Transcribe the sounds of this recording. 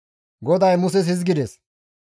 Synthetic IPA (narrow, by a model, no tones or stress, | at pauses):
ɡɔd̪ɐjmʊs̬ɛshɪzɡɪd̪ɛs